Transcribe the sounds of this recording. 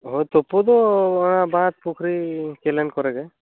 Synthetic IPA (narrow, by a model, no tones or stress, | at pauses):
ɦojt̪ɔpɔd̪ɔɔɽ̃abat̪̚pukʰɾikelɛnkɔɾɛɡa